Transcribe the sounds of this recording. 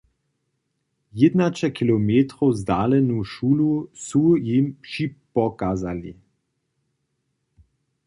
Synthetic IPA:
jed̪nat͡ʃɛkilɔmeːt̪ɾɔwzd̪aːlɛnuʃuːlusujimpʃipɔkaːzali

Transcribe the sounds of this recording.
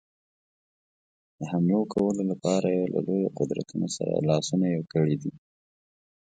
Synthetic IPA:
d̪̥əɦamlokʰawəlolapɑɾajelʔa̰lojoqʊd̪ɾa̰t̪unosaɾa̰lɑsunajewkəɽid̪i

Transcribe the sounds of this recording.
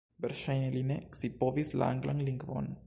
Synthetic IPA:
beɾʃajnelineksipovisla̰a̰ŋɡlaŋliŋɡvo̰n

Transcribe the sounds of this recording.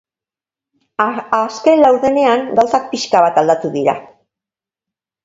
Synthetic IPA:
aske̞nlawɾðe̞ne̞aŋɡawsak̚piʃkaβ̞at̪ald̪at̪uðiɾa̰

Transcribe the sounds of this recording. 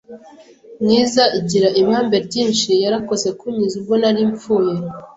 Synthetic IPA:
niːzaʔiɟiɾaʔiβaːmbe̞ɾɟiːnʃijaɾako̞ze̞kuɲizubɡo̞naɾiːɱp͡fuːje

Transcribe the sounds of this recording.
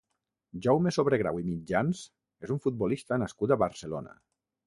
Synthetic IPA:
ʒɔwmesoβɾeɣɾa̰wimid͡ʒans | ezuɱfut̪̚bɔlist̪ənaskut̪aβaɾselo̰na̰

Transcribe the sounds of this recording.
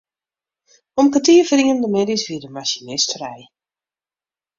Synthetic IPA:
ɔmkatiːəfriŋəndəmeːdisʋidəmaʃinɪstrɛj

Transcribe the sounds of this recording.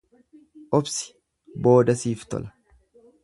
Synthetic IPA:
ʔɔbsɪ̥ | bo̞ːd̪ɐsiːft̪ɔ̰lɐ̥

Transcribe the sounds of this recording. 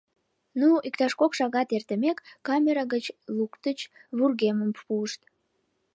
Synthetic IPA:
nuikt̪ɑʃkokʃɑɣɑt̪ert̪əmekːɑmʲeɾɑɣət͡ɕlukt̪ət͡ɕβurɣeməmpuəʃt̪

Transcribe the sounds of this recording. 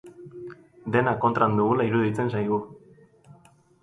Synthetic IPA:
d̪e̞nakːo̞nt̪ɾand̪uɣulaiɾuðit͡se̞nsajɣu

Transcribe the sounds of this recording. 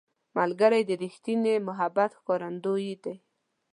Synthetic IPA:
malɡaɾajd̪əɾixt̪inemʊɦabat̪xkɔɾand̪ojid̪e

